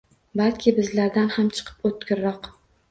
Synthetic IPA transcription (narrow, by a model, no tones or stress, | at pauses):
balkʲʰɪbɪzlaɾd̪anhamt͡ʃʰɨ̥qʰɨ̥pot̪̚kʰʲɪɾːɒq